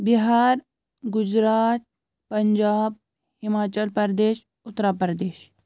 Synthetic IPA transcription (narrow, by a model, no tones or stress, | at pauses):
biɦaːɾ | ɡʊd͡ʒɾaːt̪̚ | pɐɲd͡ʒaːb̚ | hɪmaːt͡ʃəlpəɾd̪eːʃ | ʊt̪ːɾaːpəɾɐd̪eːʃ